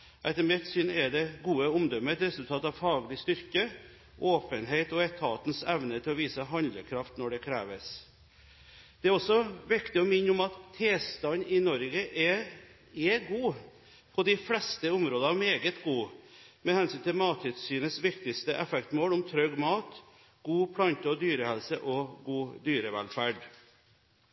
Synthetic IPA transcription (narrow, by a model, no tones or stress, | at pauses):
ʔɛt̪əmɛt̪syːnɛdɛɡuːəʊmd̪ɔmːəɛt̪ɾɛsʉlt̪ʰɑːt̪ɑʋfɑːɡlɪst̪ʏɾkə | ʔoːpənɦeɪt̪ɔɛt̪ʰɑːt̪n̩sɛʋnət̪ʰɪlɔʋiːsəɦɑnd̪ləkʰɾɑft̪nɔɖɛkʰɾæːʋəs | d̪̥ɛæɾɔsɔʋɪkt̪ɪɔmɪnːəʊmɑt̪ʰːeːst̪ɑnːɪnɔɾɡəʔɛ | ɛɡuː | pʰɔd̪ɪflɛst̪əʊmɾoːd̪ɑʋmeːɡət̪ɡuː | mɛhɛnsʏːnt̪ɪlmɑːt̪ʰʏt̪syːnəsʋɪkt̪ɪst̪əʔɛfɛkt̪moːlʊmt̪ʰɾœɡmɑːt̪ | ɡ̥uːpʰlɑnt̪əɔd̪yːɾəhɛlsəʔɔɡuːd̪yːɾəʋæ̰lfæːɖ